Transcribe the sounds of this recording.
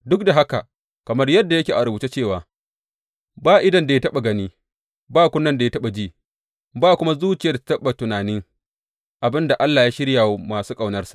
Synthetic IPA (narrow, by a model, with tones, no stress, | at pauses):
dʊ˦k̚da˨ɦa˦ka˨ | kɐ˨mɐ˦rjɐ˦dːa˨jɐ˦kʲeː˨ʔa˨ɾʊ˨buː˨t͡ʃe˦t͡ʃeː˦˨waː˨ | baː˦˨ʔɪ˦dɐ˨nda˨ja˦tɐ˦ɓa˨ɡɐ˦niː˦ | baː˦kʷʊ˦nːɐ˦nda˨ja˦tɐ˦ɓa˨d͡ʒiː˦ | baː˦kʷʊ˦ma˦zuː˦t͡ʃɪ˨ja˦da˨tḁ˨˦tɐ˦ɓa˨tʊ˨naː˨nɪ˦ŋ | ʔa˨bɪ˦nda˨ʔa˦lːaː˨jaː˦ʃɪ˦ɽjaː˨wmaː˨suː˦kʼɐ˦˨wnɐ˦rsḁ˨ʔ